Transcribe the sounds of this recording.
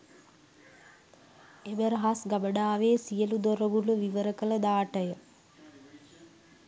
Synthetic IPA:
ebəɾəɦasɡabəɖaːʋeːsijəlud̪oɾəbuləʋiʋəɾəkələd̪aːʈəjə

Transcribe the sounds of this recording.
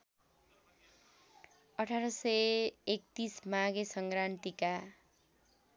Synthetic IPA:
ʌʈʰaɾʌsʌek̚t̪ismaɡesʌŋɡɾant̪ika

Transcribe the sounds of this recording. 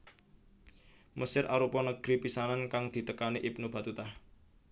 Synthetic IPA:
məsɪrʔa̰ɾupɔnəɡ̥ɾipisanankaŋd̪̥i̤t̪əkaniʔib̚nob̥a̤t̪ut̪ah

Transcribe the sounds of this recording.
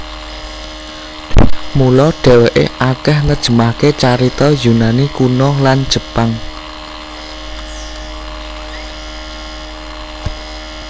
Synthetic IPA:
mulɔɖ̥ɛ̤weʔḛʔakɛhnəd̥ʒ̥ə̤mahket͡ʃaɾit̪ɔjunanikunɔlan̥ʒ̥ə̤paŋ

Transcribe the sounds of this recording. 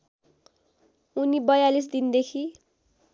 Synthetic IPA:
unibʌjalis̬d̪ind̪ekʰi

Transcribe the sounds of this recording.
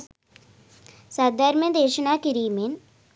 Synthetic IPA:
sɐd̪ʱəɾməd̪eːʃənaːkiɾiːmen

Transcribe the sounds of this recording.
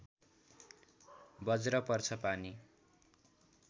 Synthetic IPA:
bʌd͡zɾʌpʌrt͡sʰʌpani

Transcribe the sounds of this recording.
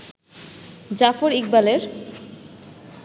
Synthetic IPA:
d͡ʑafoɾiɡ̚baleɾ

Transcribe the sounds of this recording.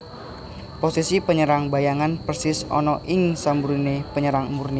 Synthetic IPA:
posisipəɲəɾaŋbajaŋanpərsɪsɔ̰nɔʔɪŋsambuɾinepəɲəɾaŋmurni

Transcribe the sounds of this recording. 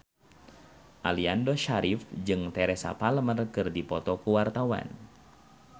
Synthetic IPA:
ʔaliandɔʃaɾifd͡ʒɨŋt̪ɛɾɛsa̰palmərkɨrdipɔt̪ɔkuwart̪awa̰n

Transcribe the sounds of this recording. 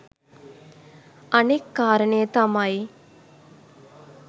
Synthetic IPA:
ɐnekːaːɾəɳəjət̪amaj

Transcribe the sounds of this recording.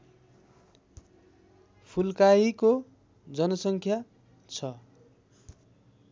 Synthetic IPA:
pʰulkaiko | d͡zʌnʌsʌŋkʰja | t͡sʰʌ

